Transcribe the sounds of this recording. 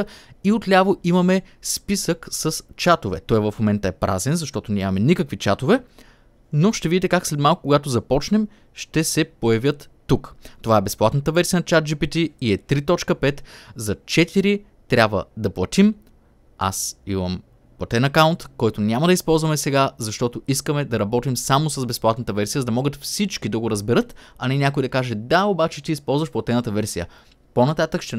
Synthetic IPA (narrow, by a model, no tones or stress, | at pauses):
iot̪lʲavoimɐmɛspisəksəst͡ʃat̪ovɛ̰t̪ɔjvɐfmomɛnt̪əɛpɾʔa̰zɛnzɐʃt̪ɔt̪ʊnʲamɐmɛnʲikəkvit͡ʃat̪ovɛ | noʃt̪ɛvid̪it̪ɛkakslɛt̪malˠkʊkoɡat̪ozɐpɔt͡ʃnɛm | ʃt̪ɛsɛpojɐvʲjət̪ːukt̪ovaɛbɛsplˠat̪nət̪əvɛɾsiənɐt͡ʃat̪̚d͡ʒipit̪iːɛt̪ɾit̪ɔt͡ʃkəpɛt̪zɐt͡ʃɛt̪iɾi | t̪ɾʲabvə̰d̪ɐplˠɐt̪im | a̰simɐm | plˠɐt̪ɛnɐkaʊnt̪kɔjt̪onʲamɐd̪ɐispɔlˠzvɐmɛsɛɡazɐʃt̪ɔt̪oiskəmɛd̪ɐɾɐbɔt̪imsamosɐzbɛsplˠat̪nət̪əvɛɾsijəzɐd̪ɐmɔɡət̪fsit͡ʃkid̪ɐɡoɾɐzbɛɾɤt̪ | ɐnɛnʲakʊid̪ɐkaʒɛd̪aobat͡ʃɛt̪iːspɔlˠzvɐʃplˠɐt̪ɛnət̪əvɛɾsijə̰ | ponɐt̪at̪əkʃt̪ɛ